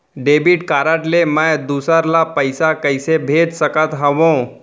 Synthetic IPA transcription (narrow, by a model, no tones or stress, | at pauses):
ɖebiʈkaɾaʈleməjd̪usaɾlapəjsakəjsebʱet̪səkat̪ɦaʋõ